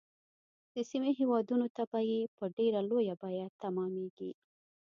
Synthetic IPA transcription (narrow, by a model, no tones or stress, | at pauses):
d̪̥əsimeɦewɑd̪unot̪abajepəɖeɾalojabɑjat̪amɑmeɡḭ